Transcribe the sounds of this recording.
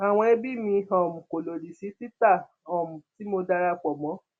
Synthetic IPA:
a˨w̃ɔ̃˧e˧bi˦˨mĩ˧ɔ˨mũ˨ko˨lo˨ɾi˨si˨˦ti˦ta˦˨ | ɔ˨mũ˨ti˨˦mo˧da˧ɾa˧k͡pɔ˨mɔ̃˨˦

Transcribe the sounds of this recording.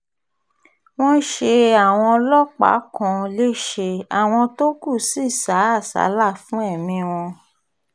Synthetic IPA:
w̃ɔ̃˦ʃe˧a˨w̃ɔ̃˧lɔ˦k͡pa̰˨˦kɔ̃˨˧le˦˨ʃe˧a˨w̃ɔ̃˧to˦ku˦˨si˦˨sa˨˦a˦˨sa̰˨˦la˦˨fũ˦ɛ˦˨mĩ˧w̃ɔ̃˧

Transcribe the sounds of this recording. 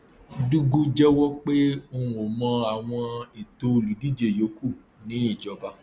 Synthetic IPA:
du˦ɡu˦d͡ʒɛ˦wɔ˦k͡pe˦o˦˧˨ũ˨o˨mã˧a˨w̃ɔ̃˧i˨to˧˨li˨˦di˦˨d͡ʒe˨jo˨˦ku˦˨ | nĩ˨˦i˦˨d͡ʒɔ˨˦ba˧˦

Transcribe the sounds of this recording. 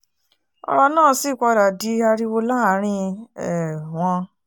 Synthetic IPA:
ɔ̰˧ɾɔ˧nãː˦˨˦si˦˨kɔ˧ɾa˨di˨˦a˧ɾi˧wo˧lã˦˨˦ɾ̃ĩ˧ɛ˨w̃ɔ̃˧

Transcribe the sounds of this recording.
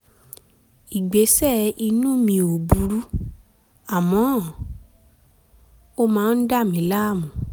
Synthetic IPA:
i˨ɡ͡be˨˦sɛ˦˨i˧nũ˦mĩ˧o˨bu˨˦ɾu˦ | a˨mɔ̃˨˦˨ | o˧mãː˦n̩˦da˦˨mĩ˨˦la˦˨mũ˨

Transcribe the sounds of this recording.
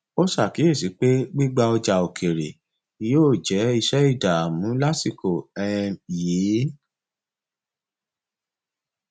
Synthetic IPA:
o˦sa˦˨ki˨˦e˦˨si˨˦k͡pe˦ɡ͡bi˦ɡ͡ba˧ɔ˧d͡ʒa˨o˨kʰe˨ɾe˨ | i˨joː˦˨d͡ʒɛ˨˦i˧ʃɛ˦i˦˨da˨a˨mũ˨˦la˦si˦˨ko˨ɛ˦˧ɛ̃˧jiː˨˦

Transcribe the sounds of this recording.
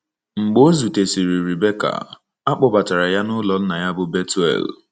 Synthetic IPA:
ŋ͡m̩˨ɡ͡bo˦zu˨te˨si˨ɾi˨ɾi˨be˦ka̰˨ | a˦k͡pʊ˨ba˨ta˨ɾa˨ja˦nʊ˦lɔ˨˦na˨ja˦bʊ˦be˦tu˦ɛ̰˦˨l

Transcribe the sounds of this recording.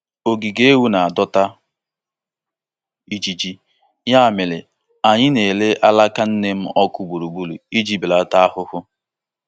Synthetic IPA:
o˨ɡi˨ɡe˦wu˦na˨a˨dɔ˦ta˦ | i˦d͡ʒi˦d͡ʒi˦ | ja˦˨mɪ˨lɪ˨ | a˨ɲɪ˦ne˨le˦ʔa˦la˦ka˦n̩˦ne˦m̩˦ɔ˦kʊ˦ɡ͡bu˨ɾu˨ɡ͡bu˦lu˨i˦d͡ʒi˦bɪ˨la˨ta˦a˦hʊ˦hʊ˦

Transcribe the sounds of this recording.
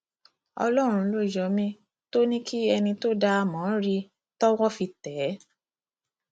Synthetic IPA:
ɔ̰˧lɔ˦˨ɾ̃ũ˧lo˦˨d͡ʒɔ˨˦mĩ˦ | to˦nĩ˦kʰi˦ɛ˧nĩ˧to˦da˧mɔ̃˨˦ɾi˧ | tɔ˦wɔ˦fi˧tɛ˨˦

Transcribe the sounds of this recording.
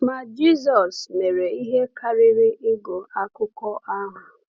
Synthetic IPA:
ma˨d͡ʒi˦zɔ˨sne˨ɾe˨i˦ɦe˦kʰa˦ɾɪ˦ɾɪ˦ʔɪ˦ɡo˨a˦kʊ˦kɔ˦ʔa˦ŋʷa˨

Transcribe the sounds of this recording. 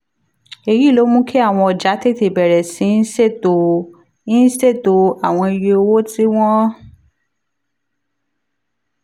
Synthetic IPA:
e˧ji˨˦˨lo˨˦mũ˦kʰe˦a˦˨w̃ɔ̃˧ɔ˨d͡ʒa˨˦te˦˨te˨bɛ˨ɾɛ˨sĩ˨˦n̩˦se˦˨to˨ | i˦n̩˦sse˦˨to˨a˦˨w̃ɔ̃˧i˧je˧o˧wo˦ti˦w̃ɔ̃˦

